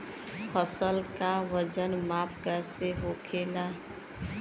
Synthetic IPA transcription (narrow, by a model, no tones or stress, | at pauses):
pʰəsəlkaʋəd͡ʒənmaːpʰkəseɦokʰela